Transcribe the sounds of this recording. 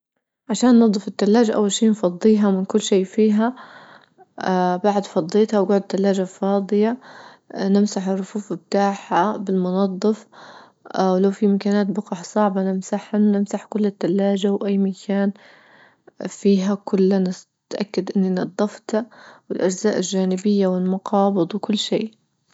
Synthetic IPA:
ʕaʃaːnːɨd̪ˤːɨfɪt̪ːalːaːd͡ʒaʔa̰wːalʃiːnfɑd̪ˤːiːɦamɪnkʊlːʃiːfiːɦa | baʕd̪fɑd̪ˤːeːt̪hawɡʊʕd̪̚t̪ːalːaːd͡ʒafɑːd̪ˤɨja | nɪmsaħɪrˤːʊfuːfɪbt̪aːħabɪlmʊnɑd̪ˤːɨf | wlawfimakaːnaːt̪bʊqɑħsˤɑʕbɑnɪmsaħannɪmsaħkʊlːɪt̪ːalːaːd͡ʒawʔajːmakʰaːn | fiːɦakʊlːan | t̪ʔakːad̪ʔɪnːinɨd̪ˤːɑft̪awɪlʔad͡ʒzaːʔɪlʒaːnɪbɪjːawɪlmʊqɑːbɨd̪ˤwɪkʊlːʃḛː

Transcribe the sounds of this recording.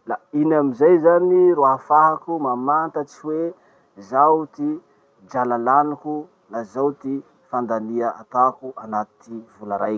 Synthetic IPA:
lainamizajzaniɾoaɦafaɦakumamant̪at͡siwe | zawt̪i | d͡ʒalalaniku | nazawt̪i | fand̪aniaat̪akuʔanat̪ivulaɾajk

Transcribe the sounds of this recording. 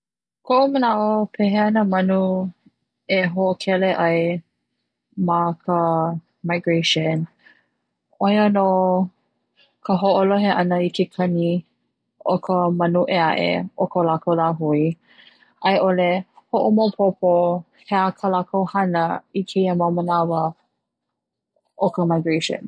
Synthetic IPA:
kʰoʔomənaʔopʰeɦeanəmɐnu | eɦoʔokʰɛleʔaj | makʰə | majɡɹeʃən | ojəno | kʰəɦoʔoloɦeʔɐnəikʰekʰɐni | okʰəmənuʔeaʔḛokəlakowlaɦui | ʔajʔolehoʔomopʰopo | heakʰəlakowhɐnəikʰeiəməmənavə | ʔokəmajɡɹeʃə̰̃n

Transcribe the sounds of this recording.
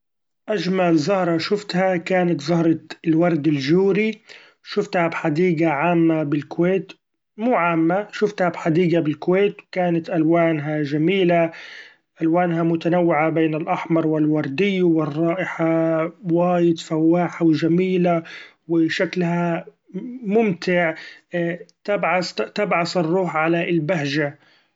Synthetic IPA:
ʔaʒmalzʊhɾˤɑʃʊft̪hakaːnat̪zˤʊhɾˤɑlwɑɾˤd̪ɪlʒuːɾi | ʃʊft̪habħad̪iːɡaʕaːmːabɪlkʊweːt̪ | muːʕaːmːaʃʊft̪habħad̪iːɡabɪlkʊweːt̪wkaːnat̪ʔalwaːnɦaʒamiːla | ʔalwaːnɦamʊt̪anawːɪʕabeːnɪlʔɑħmɑɾˤwɪlwɑɾˤd̪ɪjːwɪrˤːɑːʔɪħawaːjɪd̪fawːaːħawʒamiːlawɪʃaklha | mʊmt̪ɪʕ | t̪abʕast̪abʕasɪrˤːuːħʕalaɪlbahʒa

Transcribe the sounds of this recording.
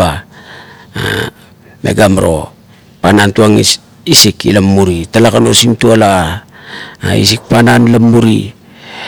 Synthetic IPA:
a | a̰ | me̞̰ɡamɾo̞ | panantuaŋḭs | isikḭlamːuɾitalakano̞simtuala | a̰ḭs̬ik̚pananlamːuɾi

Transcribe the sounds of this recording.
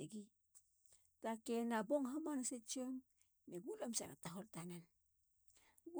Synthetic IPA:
eɡi | takenaboŋɦamanaset͡ʃiomː | eɡulamsa̰na̰taɦoltanan | ɡ

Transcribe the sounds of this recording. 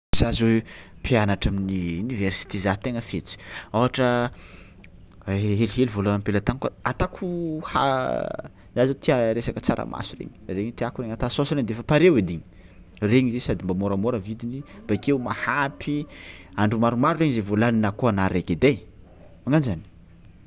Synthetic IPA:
zazepʰianaʈ͡ʂaminiunivɛrsi̥t̪izat̪eŋəfet͡si̥awɦaʈ͡ʂə | ɦeliɦelivolaampelat̪aŋkaat̪akʰuha̰ | zazot̪iaɾesakət͡saɾə̰mʔa̰suɾḛɲi̥reɲit̪iakureŋat̪asosɾeɲd̪efəpaɾewed̪iɲi̥ | reɲizesad̪imbamoɾamoɾəvid̪inib̥akeumahapʰiaɳɖ͡ʐumaɾumaɾureɲizevolaninəkoanaɾeked̪ej | aŋanzani̥

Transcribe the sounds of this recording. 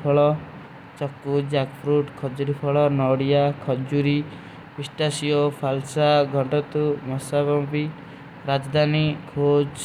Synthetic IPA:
pʰɔɭɔ | t͡ʃɔkːud͡ʒakpʰɾuʈkʰɔd͡ʒuɾipʰɔɭɔnɔɽijakʰɔd͡ʒuɾi | pisʈasiɔpʰalsaɡʱɔɳʈɔt̪umɔsabɔbi | ɾad͡ʒd̪ʱanikʰod͡ʒ

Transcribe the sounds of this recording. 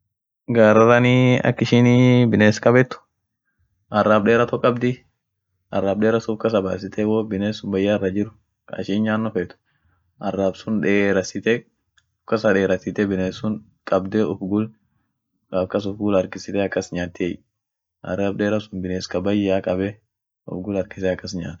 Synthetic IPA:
ɡaːɾɐɾɐniɐ̰kːɪʃɪnibɪneːskʼɐbɛt̪ːʊ̥ | ʔɐraːbɗeːɾɐt̪ɔkʼːɐbd̪ɪ | ʔɐ̰rːaːbɗeːɾɐsʊfkɐs̬ɐba̰ːsɪt̪ʰɛwobɪneːsːʊnbɐjːaɛrːɐd͡ʒɪɾʊ | kɐ̰ʃiːɲɲaːnːɔfeːt̪ʊ̥ | ʔɐrːaːbsʊnᶑeːɾɐsɪt̪ɛ | ɔfkːɐsɐᶑe̞ːɾɐsɪt̪ɛbɪneːsːʊn | kʼɐbd̪ɛɔfɡʊl | kʼɐfkɐsʊfɡʊlɐɾkɪsɪt̪ɛɐkːɐsɲaːt̪ːe | ɐ̰raːbɗeːɾɐsʊnbɪneːskɐbɐjaːkʼɐbɛ | ɔ̰fɡʊlɐɾkɪ̥sɛɐkːɐsɲa̰ːt̪

